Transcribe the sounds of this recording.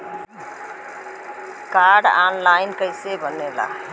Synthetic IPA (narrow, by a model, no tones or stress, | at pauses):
kaɾɖanlajnkʌjsebʱʌnela̰